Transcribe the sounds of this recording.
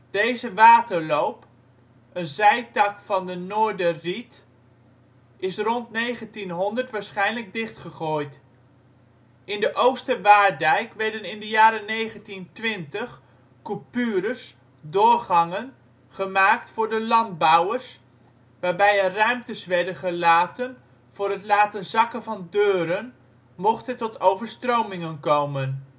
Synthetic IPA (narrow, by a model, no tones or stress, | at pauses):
d̥ejzəʋaːtəɹlowp | ənzɛjtɑkfɑndənoːɹdərit | ɪsrɔntnejχəntinɦɔndəɹtʋaːɹsχɛjnləɡ̚dɪχtχəχoːjt | ʔɪndəʔowstəʋaːdɛjkʋɛɹdənɪndəjaːɾənejχəntintʋɪntəχ | kupyːɾəs | doːɹχɑŋən | χəmaːktfʊːɹdəlɑnd̚bɔwəɹs | ʋaːɹbɛjərœɥmtəsʋɛɹdənχəlaːtən | v̥ʊːɾɦətlaːtənzɑkənvɑndøːɾən | mɔχtəntɔtowvəɹstrowmɪŋənkowmən